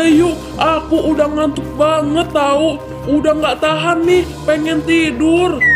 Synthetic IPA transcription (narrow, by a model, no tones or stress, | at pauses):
ju | akuʔːdaŋant̪uk̚baŋət̪ːau | udaŋɡaʔt̪aɦanːih | pɛŋɛnt̪idur